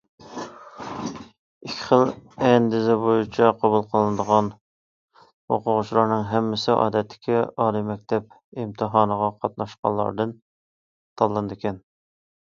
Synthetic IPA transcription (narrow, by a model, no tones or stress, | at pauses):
ikʲʰːɪ̥χəlˠɛnd̪ɪzɛbojut͡ʃʰɑqʰɑbulˠqʰəlˠɨnəd̪əʁɑn | ho̰qʊʁʊt͡ʃʰlˠɑɾnɨŋɦɛmːɪsɪʔɑ̰ːd̪ɛt̪ʰːɪ̥kʲiɑːlˠimɛk̚ʲt̪ʰɛp̚ | imt̪ʰɨɦɑːnəʁɑqʰɑt̪̚nɑʃqɑ̰lˠɑ̰ɾd̪ɨn | t̪ʰɑllˠːɨnd̪ɪkʲɛn